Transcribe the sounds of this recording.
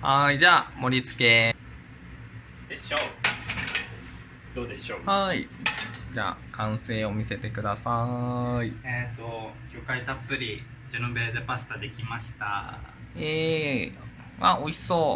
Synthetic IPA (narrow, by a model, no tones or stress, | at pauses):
haid͡ʑaːmo̞ɾʲit͡sɨ̥ke̞ | d̪̥eɕoː | d̪̥o̞ːd̪e̞ɕoːhaid͡ʑa̰kʰãɰ̃se̞ːo̞mʲise̞t̪e̞kɯ̟d̪asaiet̪ːojʲokait̪apːɯ̟ɾʲi | d͡ʑɨnobe̞ːzepasɨ̥t̪ad̪e̞kʲimaɕi̥t̪a | e | mao̞iso̞ː